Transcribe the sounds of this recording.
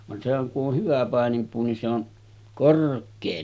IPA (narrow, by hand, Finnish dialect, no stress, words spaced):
ʋɑn sehæŋ kuʔ ʔoh hyʋæ pɑˑenimpuː ni se on korkˑeː